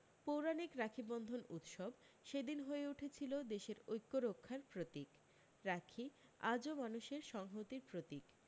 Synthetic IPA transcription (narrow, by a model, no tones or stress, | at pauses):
powɾanikɾakʰibɔnd̪ʱonut̪ʃɔb | ʃed̪inɦoeuʈʰet͡ɕʰilod̪eʃeɾojkːoɾokʰːaɾpɾot̪ik | ɾakʰia̰d͡ʑomanuʃeɾʃɔŋɦot̪iɾpɾot̪ik